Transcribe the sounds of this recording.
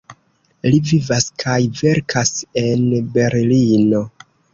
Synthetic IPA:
livivaskʰajve̞ɾkʰase̞nbe̞ɾlino̞

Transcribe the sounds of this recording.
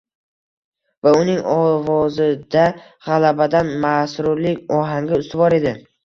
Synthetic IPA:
vaʊnɪŋɒvɒzɪd̪a | ʁalabad̪anmasɾʊɾlɪkʲɒɦaŋɡʲɪʊst̪ɪbɒɾe̞d̪ɪ

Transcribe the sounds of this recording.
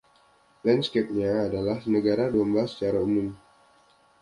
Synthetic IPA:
lɛnskɛp̚ɲaːdalahnəɡaɾaduamblasːə̥t͡ʃaɾaumum

